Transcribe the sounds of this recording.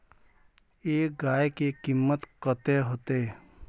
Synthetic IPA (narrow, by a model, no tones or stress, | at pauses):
eːɡaːekekɪmːət̪kət̪eɦot̪eː